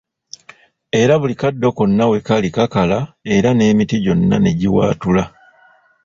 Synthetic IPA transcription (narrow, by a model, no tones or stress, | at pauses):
e̞ɾaβulikadːo̞ko̞nːawe̞kalikakalae̞ɾane̞ːmitiɟo̞nːa̰ne̞ɟiwa̰ːtula